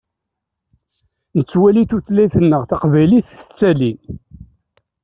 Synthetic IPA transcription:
nət͡sːwæliθuθlæjθənːəʁθɑqvæjliθə̥t͡sːælin

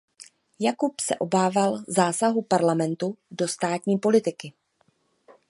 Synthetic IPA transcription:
jakupsɛ̰ʔo̞baːvalzaːsaɦupaɾlamɛnt̪udo̞st̪aːt̪ɲiːpo̞lɪt̪ɪkɪ

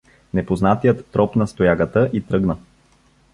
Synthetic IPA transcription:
nɛpoznat̪ijət̪ːɾɔpnɐst̪ojaɡət̪əʔit̪ɾɤɡnə

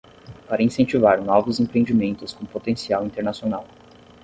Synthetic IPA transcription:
paɾɐĩsẽnt͡ʃivaɾnɔvʊzẽpɾeẽnd͡ʒimẽnt̪ʊskõpot̪ẽsiawĩnt̪eɾnasionaw

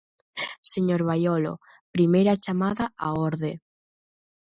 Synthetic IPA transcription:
seɲoɾβajolo̰ | pɾimejɾat͡ʃamaðaaoɾðe

